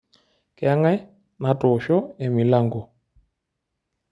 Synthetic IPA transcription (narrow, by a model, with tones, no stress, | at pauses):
ka˦ŋa˦ | na˨tɔ˨ʃɔ˦ɛ˨mi˨la˦˨ŋɡɔ˨